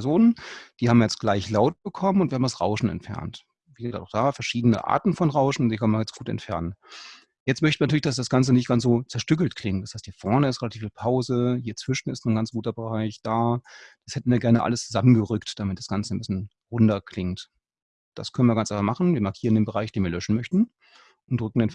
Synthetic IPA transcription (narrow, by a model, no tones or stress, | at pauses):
ɛɐzoːnənd̥iːhaːbmjɛt͡stɡ̥laɪçlaʊt̚b̥əkʰɔmənʊntviːhaːmdasʁa̰ʊʃn̩ɛ̰ntfɛ̰ɐnt | vizɪnta̰ʊxd̥aːfɛɐʃiːdənə̰ʔa̰ːɐtn̩fɔnʁaʊʃn̩ʊnz̥iːkʰœnmɪɐjɛt͡stɡ̥uːtɛ̰ntfɛɐnən | jɛt͡stmœçtn̩viɐntyːlɪçdasd̥asɡ̥ant͡sənɪçt̚ɡ̥ansz̥oːt͡sɛɐʃtʏk̬l̩tkʰl̥ɪŋtd̥ashaɪsthiːɐfɛɐnəɪstʁelatʰifiːlpʰaʊzəhiːɐt͡sv̥ɪʃn̩ɪstnːnɡant͡sɡ̥uːtɐbəʁaɪçd̥aːd̥ashɛtn̩viːɐɡɛɐnəʔa̰ləst͡suzamənɡəʁʏktd̥amɪt̚d̥asɡ̥ant͡sənbɪsçən | ʁʊndɐkl̥ɪŋt | d̥a̰skʰœnən̩viɐɡant͡sʔaɪfamaχn̩viːɐmaɐkʰiːʁəndeːnbəʁaɪçd̥eːnviɐlœʃn̩mœçtn̩ | ʔʊntʁʏk̚ŋ̩den